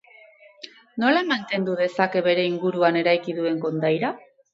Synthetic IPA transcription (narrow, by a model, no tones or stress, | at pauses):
no̞laemant̪e̞nd̪uðe̞sake̞βe̞ɾe̞iŋɡuɾuane̞ɾajkiðue̞ŋko̞nd̪ajɾa